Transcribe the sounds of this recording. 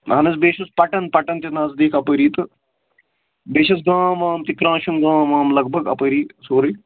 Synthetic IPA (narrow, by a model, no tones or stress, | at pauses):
ɦɐnɐsbeːʃɐspɐʈɐnpɐʈɐnt̪ɐnaːzd̪iːkʰɐpəːɾiːt̪ɨ | beːʃɐsɡaːmaːmt̪ikɾãːʃunɡãːmaːmlɐɡ̚bʱɐɡɐ̰pəːɾiːsoːɾɐj